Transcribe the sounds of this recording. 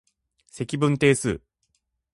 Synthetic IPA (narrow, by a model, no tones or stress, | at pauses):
se̞kʲibɯ̟̃nt̪e̞ːsɨ̰ː